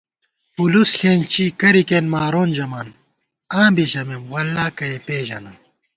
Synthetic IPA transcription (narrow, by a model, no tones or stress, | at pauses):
pulusɬeːnt͡ɕiːkɐɾikenmaːɾoːnd͡ʑɐmaːn | ãːbiɕɐmemwɐlːaːkɐepeːʑɐnɐ